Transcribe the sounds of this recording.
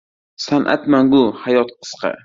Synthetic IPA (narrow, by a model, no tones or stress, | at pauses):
sanʔa̰t̪maŋɡʊhajɒt̪qʰɨ̥sqʰɑ̰